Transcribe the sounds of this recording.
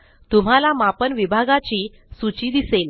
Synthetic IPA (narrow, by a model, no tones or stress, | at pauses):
t̪um̤alamapənʋibʱaɡat͡ɕiː | sut͡ɕiːd̪isel